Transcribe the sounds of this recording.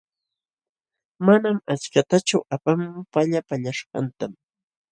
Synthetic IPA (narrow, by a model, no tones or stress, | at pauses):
manamat͡ʃkat̪at͡ʃʊʔapampaʎapaʎaʃɢɑ̰nt̪am